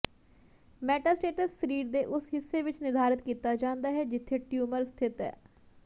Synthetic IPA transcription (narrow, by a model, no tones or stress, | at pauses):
mɛːʈaːsʈeːʈəsːəɾiːɾd̪eːʔʊsɦɪsːeːʋɪt͡ʃnɪɾd̪ʱaːɾɪt̪kiːt̪aːd͡ʒãːnd̪aːɦɛːd͡ʒɪt̪ʰːeːʈjuːməɾst̪ʰɪt̪ɛ̰ː